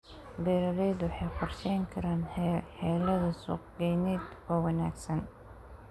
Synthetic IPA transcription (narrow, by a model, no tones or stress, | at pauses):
bɛɾɐɾɛːd̪wɑħɑjqʰɔrʃɛjŋkʰɐɾaːnħɛːlɐðɐsṵːqɡɛjnɛd̪ɔːwɐna̰ːɡsɐn